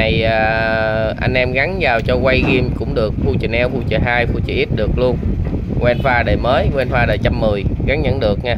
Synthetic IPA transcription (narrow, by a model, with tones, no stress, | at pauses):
a˨˩jʔəː˨˩ | ʔa˧jŋ̟ʔɛ˧mɣa˨˦ŋzaː˨˩wt͡ɕɔ˧kwa˧jɣi˧mkʊ̰˧˥ŋ͡mɗɨ˨˩ək̚fu˧t͡ɕə˨˩nʔɛ˧wfu˧t͡ɕə˨˩ɦaː˧jfu˧t͡ɕi˧˨˩ʔi˦˥t̚ɗɨ˨˩ək̚lu˧ən | kwɛ˧nfaː˧ɗəː˨˩jməː˨˦jkwɛ˧nfaː˧ɗəː˨˩jt͡ɕa˧mːɨ˨˩əjɣa˨˦ŋɲə̰˧˥nɗɨ˨˩ək̚ŋaː˧˩